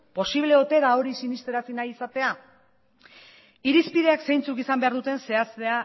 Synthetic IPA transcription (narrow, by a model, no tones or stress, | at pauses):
po̞siβ̞le̞ot̪e̞ðao̞ɾisinist̪eɾasinajisat̪e̞a | iɾispiðe̞akse̞jnt͡sukisambe̞aɾðut̪e̞nse̞ast̪ea